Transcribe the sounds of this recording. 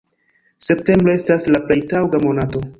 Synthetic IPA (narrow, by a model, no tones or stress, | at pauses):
se̞p̚te̞mbɾoe̞staslaplejtawɡamo̞nato̞